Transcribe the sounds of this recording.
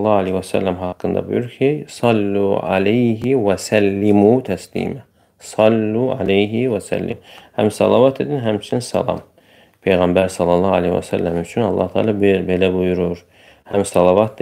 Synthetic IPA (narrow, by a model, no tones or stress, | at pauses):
lˠˤːɑːalehwæsæ̰lːæmɦɑːqːɯnd̪ɑ̰bṵjyɾkʰejsˤɑlːuːʕa̰lejɦɪwæsælːɪmuːt̪ʰæslḭːmæ | sˤɑlːuʕa̰lejɦiwæsæ̰lːɪ̰mhæmsɑ̰lˠɑwɑt̪ʰid̪inɦæmt͡ʃʰinsɑ̰lɑ̰m | pʰejɣæmbæɾsˤɑlːɑlˠˤːɑa̰lḛhwæ̰sæ̰lːæmyt͡ʃʰynɑ̰lˠˤːɑ̰ht̪ʰɑ̰ːlɑbbelæbujuɾuɾ | hæmsɑlɑwɑːt̪̚d̪